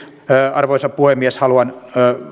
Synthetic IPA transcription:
ɑrʋoisɑppuhemːieshɑluɑnː

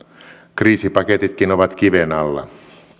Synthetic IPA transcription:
kriːsipɑket̪it̪kinoʋɑt̪k̟iʋenɑlːɑ̰

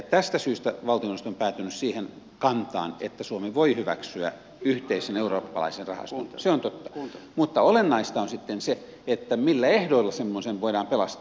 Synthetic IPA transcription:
t̪æst̪æsyːst̪æʋɑlt̪ionst̪ompæːt̪ynyssiːhen | kɑnt̪ɑ̰ːnḛt̪ːæsuomiʋoihyʋæ̰ksyæ̰ | yht̪eiseneuroːpːɑlɑ̰isenrrɑhɑ̰st̪unseont̪ot̪ːɑ̥mut̪ːɑolenːɑist̪ɑonsit̪ːense | et̪ːæmilːæehdoilːɑsemːoseʋʋoidɑːmpelɑst̪

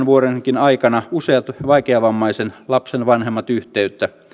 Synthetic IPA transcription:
nʋuoɾeŋkinɑikɑnɑuseɑt̪ʋɑikeɑʋɑmːɑisenlɑpsenʋɑnhemːɑt̪yht̪eyt̪ːæ

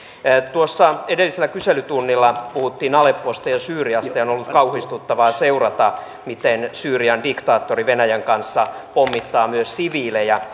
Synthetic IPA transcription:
t̪uosːɑedelːiselːækyselyt̪unːilːɑpuhut̪ːiːnɑlepːˑost̪ɑjɑsyːriɑst̪ɑonolːut̪kɑuhist̪ut̪ːɑʋɑːseurɑt̪ɑ | mit̪ensyːriɑndikt̪ɑːt̪ːoriʋenæjæŋkɑnsːɑpomːit̪ːɑːmyøssiʋiːlejɑ

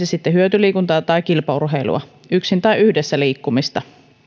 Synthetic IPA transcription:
esit̪ːeɦyøt̪yliːkunt̪ɑːt̪ɑjkilpɑurɦe̞ilṵɑ̰ | yksint̪ɑjyhdesːæliːkːumist̪ɑ

